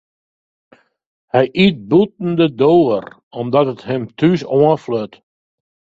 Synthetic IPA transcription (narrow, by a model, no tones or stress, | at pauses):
hɛjʔit̚but̚n̩dədoːər | ɔmdɔtəthəmtʰysɔəfløt